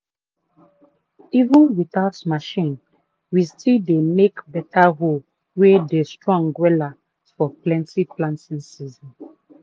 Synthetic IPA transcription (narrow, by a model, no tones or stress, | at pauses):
ivə̃nwiθaʊtmaʃĩn | wistidenekbɛtaɦo | wedestɹɔ̃ŋɡwɛla | fɔplɛ̃ntiplãntĩnsizɔ̃n